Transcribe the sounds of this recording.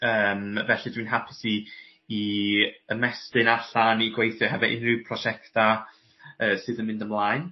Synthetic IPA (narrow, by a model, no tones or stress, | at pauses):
əːmvɛɬɨdwiːnɦapʰɪsiː | əmɛstɪnaɬaniɡwejθjɔhɛvɛʔɪ̰nrɪwpʰrɔʃɛktʰa | əːsɨːðənmɪ̃ndəmlˠaːjn